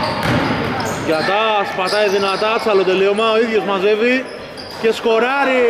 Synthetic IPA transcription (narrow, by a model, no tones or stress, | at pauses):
ʝɐt̪ɐːspɐt̪ɐiðinɐt̪ɐt͡sɐlot̪eliomɐoiðjo̞zmɐze̞vi | ce̞sko̞ɾɐɾi